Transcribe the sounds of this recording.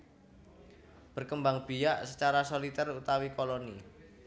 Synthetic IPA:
b̥ə̤rkəmbaŋb̥i̤jaʔsət͡ʃaɾasolit̪ərut̪awikoloni

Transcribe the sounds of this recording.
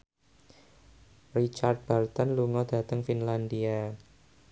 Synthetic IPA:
rit͡ʃart̪̚b̥alt̪ɔnluŋɔd̪̥ä̤t̪əŋfinland̪ia

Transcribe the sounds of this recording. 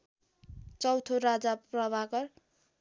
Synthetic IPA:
t͡sʌwt̪ʰoɾad͡zaprʌbʱakʌr

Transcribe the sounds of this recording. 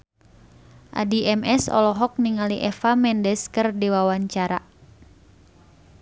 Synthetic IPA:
ʔa̰diɛmɛsɔ̰lɔɦɔk̚niŋaliʔɛfamɛndɛskərdiwawaɲt͡ʃaɾa̰

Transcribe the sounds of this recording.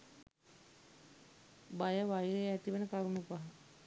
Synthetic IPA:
bajəʋajiɾeæt̪iʋenəkaɾumupaɦa

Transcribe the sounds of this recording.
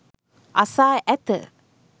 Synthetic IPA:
ʔasaːʔæt̪ə̰

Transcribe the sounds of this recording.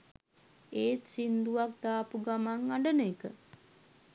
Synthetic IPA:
eːt̪sind̪uʋak̚d̪aːpuɡamaŋaɳɖənekə

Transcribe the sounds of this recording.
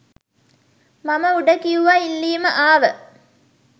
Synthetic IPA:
mamɐuɖəkijuʋailːiːməʔaːʋə

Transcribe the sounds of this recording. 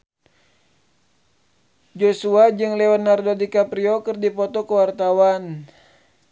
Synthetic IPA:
d͡ʒosuad͡ʒɨŋlɛanːardodikapɾiɔkɨrdipɔt̪ɔkəwart̪awan

